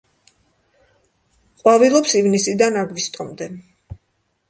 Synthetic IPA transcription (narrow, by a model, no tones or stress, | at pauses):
qʼwavilˠɔpsivnisid̪anaɡvist̪ʼɔmd̪ɛ